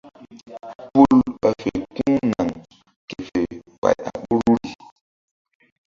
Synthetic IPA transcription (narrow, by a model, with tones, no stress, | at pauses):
pu˦lɓa˨fe˨ku˦ŋna˨ŋ | ke˨fe˨ | k͡pa̰˨ja˨ɓu˦ɾu˦ɾi˨